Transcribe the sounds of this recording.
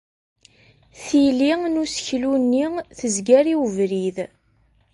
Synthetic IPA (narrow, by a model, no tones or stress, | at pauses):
θiliŋnusə̥çlunːiθəzɡæɾiwvɾið